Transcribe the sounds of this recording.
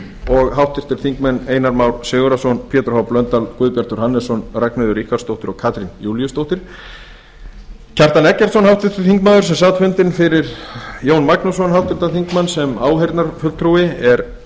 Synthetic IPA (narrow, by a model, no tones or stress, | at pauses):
ɔɣɦawht̪ɪɾ̥t̪ɪɾ̥θiŋkmɛnːeːjnaɾmawɾ̥sʏːɣʏɾasɔnpʰjɛːt̪ɾhawplœnt̪alkʏːðpjaɾ̥t̪ʏɾ̥hanːɛsɔnraknʏðʏɾihkaɾ̥st̪owht̪ʏɾɔɣkʰaːt̪ɾinjuːljʏst̪owht̪ɪɾ̥ | cʰar̥t̪anɛcːɛt̪sɔnhawht̪ɪɾ̥t̪ɪ̥θiŋkmaːðʏɾsɛmsaːt̪fʏnt̪ɪnfɪɾɪɾjoːwnmaknusɔnhawht̪ɪɾ̥t̪aθiŋkmanːsɛmaːwhejɾt̪naɾfʏl̥t̪ʰɾuɪɛɾ